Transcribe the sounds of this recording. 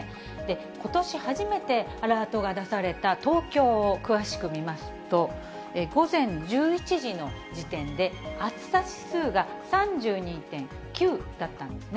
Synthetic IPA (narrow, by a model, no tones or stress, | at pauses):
d̪e̞ | ko̞t̪o̞ɕihaʑime̞t̪e̞aɾaːt̪o̞ɡad̪asaɾe̞t̪at̪o̞ːkʲo̞ːkɯ̟βaɕi̥kɯ̟mʲimasɨ̥t̪o̞ | eɡo̞zẽ̞ɲd͡ʑɨːit͡ɕiʑino̞d͡ʑit̪ẽ̞nd̪e̞at͡sɨ̥saɕi̥sɨːɡa | sãɲd͡ʑɨːɲ̟iːt̪ẽ̞ŋ | kʲɨːd̪̥at̪ːãnd̪en